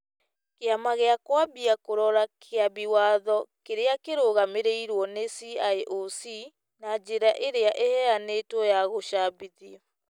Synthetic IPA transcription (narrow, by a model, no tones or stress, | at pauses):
keamaɣeakwabiakoɾɔɾakʰeabiwaðɔkeɾeakeɾoɣameɾeiɾwɔnesiaeʔosi | nad͡ʑeɾaʔeɾeaʔehɛaneːtwɔjaɣoʃabiði